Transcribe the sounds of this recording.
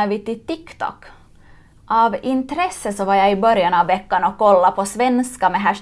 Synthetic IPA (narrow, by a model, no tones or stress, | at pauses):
avɪt̪ɪt̪ɪkt̪ʰɔ̰kː | ʔɑvɪnt̪ɾɛsːəsɔvaɾjaɪbœɾjanɑvːɛkːanɔkʰːɔlːapʰɔsvɛnskamɛɦæʂ